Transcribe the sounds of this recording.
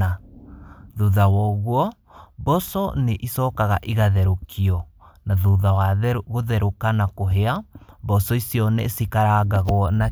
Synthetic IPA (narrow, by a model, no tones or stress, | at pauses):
a | ðuðawɔɣwɔ | bɔsɔneʔisɔːkaɣaʔiɣaðɛɾokʰiɔ | naðuðawaɣoðɛɾokanakoɦeabɔsɔisiɔnɛsikaɾaɣaɣoɔna